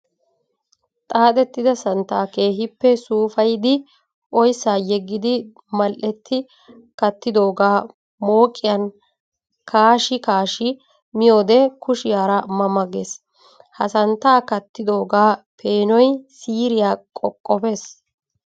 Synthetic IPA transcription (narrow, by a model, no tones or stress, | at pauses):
t̪ʼaːt̪ɛt̪ːɪd̪ɐsɐnt̪ːaːke̞ːɦɪpːɛsuːfɐjd̪ɪ | ʔɔjsːaːjɛɡːɪd̪ɪ | mɐlʔɛt̪ːɪ | kɐt̪ːɪd̪o̞ːɡaː | mo̞ːkʼːɪjɐn | kʰaːʃɪkaːʃɪ | mɪjo̞ːd̪ɛkʊʃɪjaːɾɐmɐmɐɡes | hɐsɐnt̪ːaːkɐt̪ːɪd̪o̞ːɡaːpʰe̞ːnɔjsiːɾɪjaːkʼɔkʼːɔpe̞ːs